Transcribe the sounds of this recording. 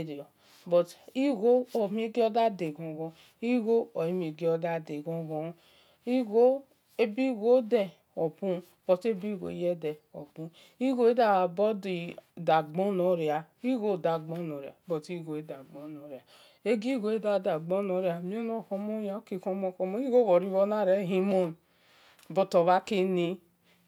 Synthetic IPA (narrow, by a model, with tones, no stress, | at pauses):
ɾi˨ɔ˨ | bɔ˨ti˦ɡo˦ɔ˨mĩ˦ɡe˦ɔ˦da˦de˨ɡɔ̃˨ɡɔ̃˧ | i˦ɣo˦ɔ˨e˦mĩ˨ɡe˦ɔ˧da˦de˨ɡɔ̃˦ɡɔ˧˦ | i˦ɡo˦ | e˦bi˦ɡo˦dɛ˦ | ɔ˨bũ˦ | b̥ɔ˨te˦bi˦˨ɡo̰˨i˦jɛ˦dɛ˨ɔ̰˨bũ˨˦ | i˦ɡo˦e˦da˨bɔ˦di˨da˨ɡ͡bɔ˦no˨ɾi˨a˨ | i˦ɡo˦˨da˨ɡ͡bɔ˦no˨ɾi˨a̰˨bɔ˨ti˦ɡo˨e˦da˨ɡ͡bɔ˦no˨ɾja˨ | e˦ɡi˦ɡo˨˦e˦da˨da˨ɡ͡bɔ˦no˨˦ɾja˨mi˦e˦no˨kɔ˦mo˦ja˨o˦ki˨ko˦mɔ˦kɔ˧mo˦i˦ɡo˦βɔ˨ɾi˦βɔ˦na˦˨ɾe˦ɦi˦mo˦n | bo˨to˨βa˦ke˦ni˦